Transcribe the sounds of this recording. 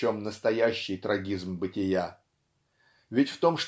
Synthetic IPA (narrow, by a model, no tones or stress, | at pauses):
o̞mnəst̪ɐjæɕːɪjt̪ɾɐɡʲizmbɨtʲɪja | vʲɪtʲft̪o̞mʂt̪